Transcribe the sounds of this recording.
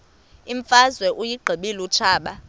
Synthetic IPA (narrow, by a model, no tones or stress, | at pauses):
iɱfazwɛʔujiɡ͡ǃʱiɓilut͡ʃʰaːɓa